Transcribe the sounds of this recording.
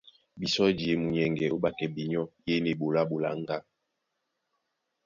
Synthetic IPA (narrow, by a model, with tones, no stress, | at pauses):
bi˨sɔ˦d͡ʒe˨mu˨ɲɛ˨ŋɡɛ˨o˦ba˨kɛ˨bi˨ɲɔ˦je˦ne˨bo˨la˦ɓo˨la̰˨ŋ˦ɡa˦